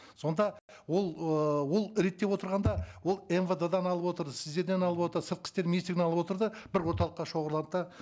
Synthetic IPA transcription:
so̞nd̪ɑ | wo̞lˠəwo̞lˠɾe̞t̪ːe̞pwo̞t̪əɾʁɑnd̪ɑwo̞lˠenved̪ed̪ɑnɑlˠəpwo̞t̪əɾd̪əsɪzd̪e̞ɾd̪enɑlˠəpwo̞t̪əɾsəɾt̪̚qʲɪ̥st̪e̞ɾmnist̪ieɡʲnɑlˠəpwot̪əɾd̪əbɪɾwo̞ɾt̪ɑlˠəqːɑʃo̞ʁəɾlˠɑnd̪əd̪ɑ

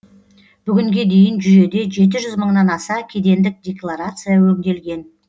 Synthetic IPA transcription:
b̥ʏɡʲɪŋɡʲe̞d̪e̞jɪnʒʏje̞d̪e̞ʒe̞t̪̬ɪʒʏzməɴnɑnɑsɑkʲʰe̞d̪e̞nd̪ɪk̚d̪ʲe̞klˠaɾat̪sɨjɑwɵŋɡʲe̞lɡʲe̞n

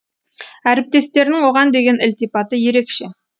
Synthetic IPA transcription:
æɾɪp̚t̪e̞st̪e̞ɾnɪŋwo̞ʁɑnd̪e̞ɡʲe̞nɪlt̪ipɑt̪əje̞ɾe̞kʃe

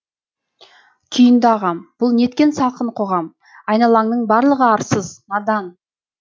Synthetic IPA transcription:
kʲʰijənd̪ɑʁɑmb̥ʊlˠne̞t̪̚kʲe̞nsɑlˠqəɴqʰoʁɑm | ɑjnɑlˠɑŋnəɴbɑɾlˠəʁəɑɾsəzmɑd̪ɑn

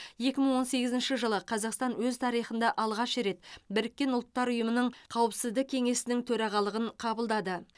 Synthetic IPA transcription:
je̞kʲɪməɴwo̞nse̞ɡʲɪzɪnʃɪʒəlˠəqʰɑzɑqst̪ɑnwɵzt̪ʰɑɾijχənd̪ɑʔɑlˠʁɑʃɾe̞t̪bɪɾɪkʲːe̞nʊlˠət̪ːɑɾʊjəmənəɴqʰɑwəpsɪzd̪ɪk̚ʲʰe̞ŋe̞sɪnɪŋt̪ʰɵɾɑʁɑlˠəʁəɴqʰɑbəlˠd̪ɑd̪ə

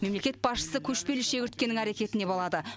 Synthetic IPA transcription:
me̞mlekʲe̞t̪̚bɑsʃə̥səkʲʰɵʃpe̞lʃe̞ɡʲɪɾt̪̚kʲenɪŋæɾe̞kʲe̞t̪ɪne̞bolˠɑd̪ə

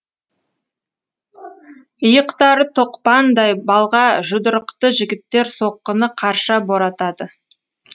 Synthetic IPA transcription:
əjəqt̪ɑɾət̪ʰoqpɑnd̪ɑjbɑlˠʁɑʒʊd̪əɾəqt̪əʒɪɡʲɪt̪ːe̞ɾso̞qːənəqʰɑɾʃɑbo̞ɾɑt̪ɑd̪ə

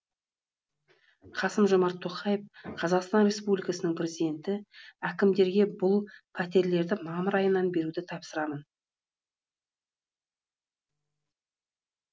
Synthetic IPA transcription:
qʰɑsəmʒomɑɾt̪ʰːo̞qɑjefqʰɑzɑqst̪ɑnɾʲe̞spublʲijkɑsənəŋprʲe̞zid̪ʲe̞nt̪ɪækʲɪmd̪e̞ɾɡʲe̞bʊlˠpʰæt̪̬e̞ɾle̞ɾd̪ɪmɑməɾɑjənːɑnbe̞ɾud̪ɪt̪ʰɑpsəɾɑmən

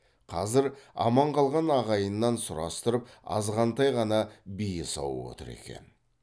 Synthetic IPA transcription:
qʰɑzɪɾɑ̰mɑɴqʰɑlˠʁɑnɑʁɑjənːɑnsʊɾɑst̪əɾəp̚ɑ̰zʁɑnt̪ɑjʁɑnɑbijəsɑ̰wəwo̰t̪əɾe̞̰kʲe̞̰n

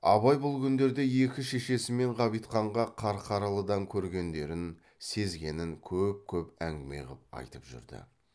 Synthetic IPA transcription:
ɑ̰βɑjbʊlˠkʲʰʏnd̪e̞ɾd̪e̞je̞kʲɪʃe̞ʃe̞sɪme̞ɴqʰɑbijt̪qɑɴʁɑqʰɑɾqʰɑɾɑlˠəd̪ɑŋkʲʰɵɾɡʲe̞nd̪e̞ɾɪn | se̞zɡʲe̞nɪŋkʲʰɵp̚kʲʰɵpæŋɡʲɪmḛʁəp̚ɑ̰jt̪əpʒʏ̰ɾd̪ɪ̰

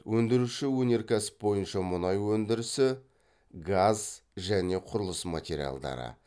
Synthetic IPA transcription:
wʔɵnd̪ɪɾuʃɪwɵne̞ɾkʲʰæsɪ̥p̚bo̞jənʃɑmʊnɑjwɵnd̪ɪɾɪsɪ | ɡazʒæne̞qʰʊɾʊlˠəsma̰t̪ʲe̞ɾʲḭja̰lˠd̪ɑ̰ɾə̰

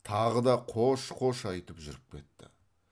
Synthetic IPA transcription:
t̪ʰɑʁəd̪ɑqʰoʃqʰo̞ʃɑjt̪əpʒʏɾɪp̚kʲʰe̞̰t̪ːɪ̰

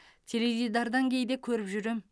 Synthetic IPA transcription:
t̪ʲʰe̞levid̪ɑɾd̪ɑŋkʲʰe̞jd̪ekʲʰɵɾɪpʒʏɾem

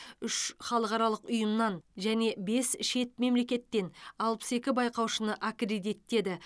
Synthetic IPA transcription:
ʏʃχɑlˠəqɑɾɑlˠəqʊjəmnɑnʒæne̞be̞sʃe̞t̪̚me̞mle̞kʲe̞t̪ːe̞nɑlˠpə̥se̞kʲɪbɑjqɑwʃənəʔakred̪it̪ːe̞d̪ɪ

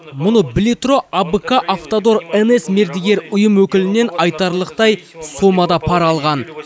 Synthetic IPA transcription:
mʊnəblʲit̪ro̞ʔabəkaʔaft̪od̪o̞ɾenesme̞ɾd̪eɡʲe̞ɾʊjəmwɵkʲɪlɪne̞nɑjt̪ɑɾlˠəq̚t̪ɑjsomɑd̪ɑpʰɑɾɑlˠʁɑn

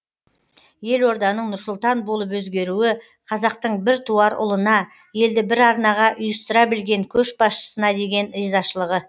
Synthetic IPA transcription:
je̞lwo̞ɾd̪ɑnəɴnʊɾsʊlˠt̪ɑnbo̞lˠəp̬wɵzɡʲe̞ɾuɪ | qʰɑzɑqt̪əɴbɪɾt̪ʰuɑɾʊ̰lˠənɑ | je̞ld̪ɪbɪɾɑɾnɑʁɑʔʊjəst̪əɾɑbɪlɡʲe̞ŋkʲʰɵʃbɑsʃə̥sənɑd̪e̞ɡʲe̞nɾizɑʃəlˠəʁə

